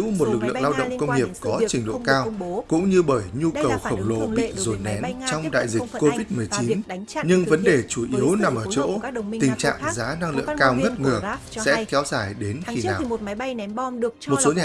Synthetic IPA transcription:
wmo˨˩t̚lɨ˨˩k̬̚lɨ̰˧˨˧əŋlaː˧wɗə̰˧˨wŋ͡mkə˧wŋ͡mŋi˨˩əp̚kɔ˨˦t͡ɕï˨˩ŋ̟lo̰˧˨kaː˧wkʊ̰˧˥ŋ͡mɲɨ˧ɓəː˧˩jɲu˧kə˨˩wxə˧˩wŋ͡mlo˧˩ɓi˦˥k̚zo˨˩nnːɛ˨˦nt͡ɕɔ˧wŋ͡mɗa̰ː˧˨jzi˨˩kk̟ko˧vi˦˥t̚mɨ˨˩əjt͡ɕi˨˦nɲɨ˧ŋvə˨˦nɗe˨˩t͡ɕu˧˩ʔi˨˦əwna˨˩mʔəː˧˩t͡ɕo̰˧˥˨ï˨˩ŋ̟t͡ɕa̰ː˧˨ŋzaː˨˦na˧ŋlɨ̰˧˨əŋkaː˧wŋə˦˥t̚ŋɨ˨˩əsɛ̰˧˥kɛ˨˦wzaː˧˩jɗe˨˦nxi˧˩naː˨˩w | mo˨˩t̚so˨˦ɲaː˨

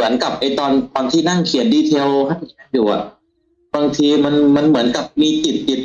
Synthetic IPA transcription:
ɯ˩˦ənka˨˩p̚ʔa˧jt̪ɔː˧nt̪ɔː˧nt̪ʰiː˥˩na˥˩ŋkʰi˨˩˦n̚diː˧t̪ʰe˧wkʰa˥˩n˧˩a˥˩juː˨˩ʔa̰˨˩ʔ | baː˧ŋt̪ʰiː˧ma˧nma˧˥nmɯ˩˦ənka˨˩p̚miː˧t͡ɕi˨˩t̪̚t͡ɕi˨˩t̪̚

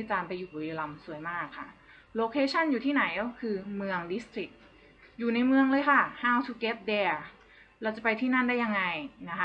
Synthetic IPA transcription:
i˦˥t͡ɕaː˧npa˧jːuː˨˩bu˨˩i˧la˧msu˨˩˦əjmaː˥˩kʰːa˥˩ | loː˧kʰeː˧˥t͡ɕʰa˥˩˨njuː˨˩t̪ʰiː˥˩na˩˦jkʰɯː˧mɯ˧əŋdi˦˥st̪ʰɾi˨˩k̚ | juː˨˩na˧jmɯ˧əŋlɤː˧jkʰa˥˩haː˥˩wt̪ʰu˧˥ke˦˥t̪̚dɛː˧ | ɾɛː˧˥wt͡ɕa˨˩pa˧jt̪ʰiː˥˩na˥˩nda˥˩ja˧ŋːa˧jna˦˥kʰa˦˥

